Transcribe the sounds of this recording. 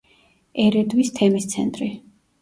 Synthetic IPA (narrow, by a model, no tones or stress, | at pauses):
ɛɾɛd̪wist̪ʰɛmist̪sʰɛ̰nt̪ʼɾi